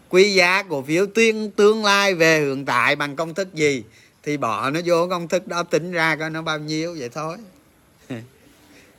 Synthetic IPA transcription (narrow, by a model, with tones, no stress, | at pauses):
kwi˧zaː˨˦ku˧˩əfi˨˦əwt̪i˧ənt̪ɨ˨˧əŋlaː˧jve˨˩hɨ̰˧˨əŋt̪a̰ː˧˨jɓa˨˩ŋkə˧wŋ͡mt̪ʰɨ˦˥k̚zi˨˩ | t̪ʰi˨˩ɓɔ̰˧˨nɔ˨˦zo˨˦kə˧wŋ͡mt̪ʰɨ˦˥k̚ɗɔ˨˦t̪ï˨˦ŋ̟zaː˧kɔ˨˦nɔ˨˦ɓaː˧wɲi˧əwvə̰˧˨jt̪ʰo˧j